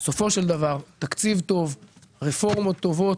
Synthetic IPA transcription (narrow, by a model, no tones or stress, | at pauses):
so̞fo̞ʃeld̪avaʁt̪akt͡sivt̪o̞vʁefo̞ʁmot̪ːo̞vo̞t